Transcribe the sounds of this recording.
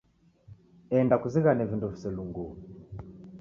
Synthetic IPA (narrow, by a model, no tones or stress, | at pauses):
ɛndakuziɣanɛvinduvisɛluŋɡu